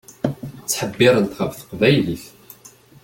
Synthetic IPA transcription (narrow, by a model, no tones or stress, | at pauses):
t͡sːħəbːɪɾˤənt̪χəvθə̥qvæjliθ